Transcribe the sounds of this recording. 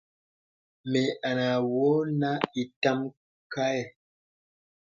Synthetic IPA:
me˨a˨na˨wo˦na˦i˨ta˦m | ka˦ɛ˨

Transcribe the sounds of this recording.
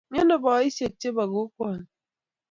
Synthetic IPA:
ɲɔ˦nɔ˨bɔ˨˦i˦se˨t͡ʃːe˦ba˨ɣo˦kwa˦˨n˨

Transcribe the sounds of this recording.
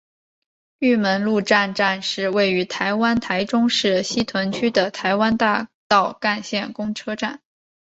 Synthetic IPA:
y˥˩mə˧˥nlu˥˧ʈ͡ʂa˥˧nʈ͡ʂa˥˧nʂɻ̩˥˧we˥˩ɪy˧˥t̪ʰa˧˥ɪwa˥nt̪ʰa˧˥ɪʈ͡ʂʊ˥ŋʂɻ̩˥˩ɕi˥t̪ʰwa˧˥nt͡ɕʰy˥d̪ə˨t̪ʰa˧˥ɪwa˥nt̪a˥˧t̪ɑ˥˩ʊka˥˧nɕjɛ˥˩nkʊ˥ŋʈ͡ʂʰɤ˥ʈ͡ʂa˥˩n

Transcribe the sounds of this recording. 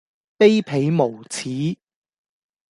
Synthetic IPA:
pe˥jpʰe˨˧˥jmo˨˩wt͡sʰiː˨˥

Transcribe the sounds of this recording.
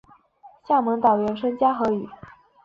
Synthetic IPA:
ɕja˥˩mɤ˧˥ŋt̪ɑ˨˩ʊɥɛ˧˥nʂʰɤ˥ŋt͡ɕja˥xɤ˧˥y˨˩˦

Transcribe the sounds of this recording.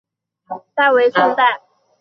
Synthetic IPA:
t̪a˥˩ɪwe˧˥ɪso˥˧ŋt̪a˥˩ɪ

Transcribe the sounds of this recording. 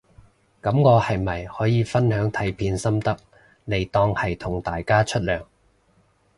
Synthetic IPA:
kɐ˨˥mŋɔː˨˧hɐ˨jmɐ˨˩jhɔː˨˥jiː˨˧fɐ˥nhœː˨˥ŋt̪ʰɐ˨˥jpʰiː˨˧nsɐ˥mt̪ɐ˥k̚ | ne˨˩jt̪ɔː˥˧ŋhɐ˨jt̪ʰʊ˨˩ŋt̪aː˨jkaː˥t͡ʃʰɵ˥t̚lœː˨˩ŋ

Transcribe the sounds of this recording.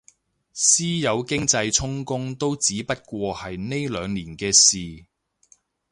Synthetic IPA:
siː˥jɐ˨˧wkɪ˥ŋt͡sɐ˧jt͡sʰʊ˥ŋkʊ˥ŋt̪o˥wt͡siː˨˥pɐ˥t̚kʷɔː˧hɐ˨jne˥jlœː˨˧ŋliː˨˩nkɛː˧siː˨

